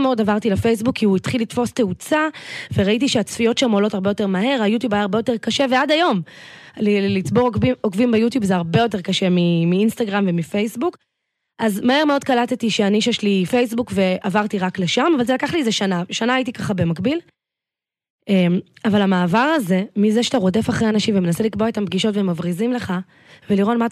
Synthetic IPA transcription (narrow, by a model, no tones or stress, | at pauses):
meo̞davaʁt̪ilefe̞js̬bukʰːiuitχilitfo̞ste̞ut͡saveʁait̬iʃeat͡sfijo̞tʃamolo̞thaʁbe̞jo̞te̞ʁmaɦe̞ʁajut̬jubajaːʁbe̞jo̞te̞ʁkaʃe̞veadajo̞mllit͡sbo̞ʁokvimbejutjubzeaʁbe̞jo̞te̞ʁkaʃe̞mimiinst̪aɡʁamve̞mife̞jsbuk | ʔazmahe̞ʁmeo̞d̪̚kalat̪etiʃeaniʃaʃelifejs̬bukve̞avaʁt̪iʁakle̞ʃamavalzelakaχliezeʃanaʃanaːjit̬ikaχabe̞makbil | emavalamaːvaʁaze̞mizeʃe̥taʁo̞de̞faχʁeanaʃimvemenaselikboet̪ambɡiʃo̞tvemavʁizimle̞χa | veliʁotma